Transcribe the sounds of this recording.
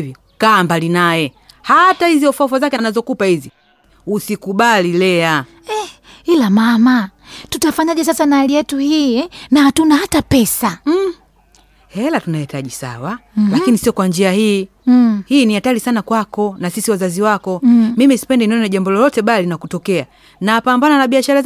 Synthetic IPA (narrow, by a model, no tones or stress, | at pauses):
vi | kaːmbalinajɛ | hatahiziɔfafazakɛanazɔkupahizi | usikuɓalilɛa | ɛ | ilamamatutafaɲaʄɛs̬asanaliɛtuhiːnahatunahatapɛsa | hɛlatunahitaʄisa̰walakinisiɔkwand͡ʒiahiː | hiːnihatalisanakwakɔnasisiwazaziwakɔmimisi̥pɛndɛniɔnɛʄambɔlɔlɔtɛɓalinakutɔkɛa | naːpambananaɓiaʃaɾa